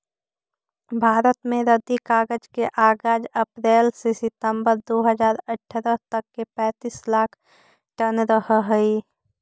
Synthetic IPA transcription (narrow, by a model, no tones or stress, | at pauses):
bʱaːɾət̪mẽɾəd̪ikaːɡəd͡ʒkeʔaːɡaːd͡ʒəpɾeːlsesɪt̪ə̃mbəɾd̪oːɦəd͡ʒaːɾəʈʰːəɾət̪əkːepɛ̃ːt̪iːslaːkʰ | ʈənɾəɦɦəi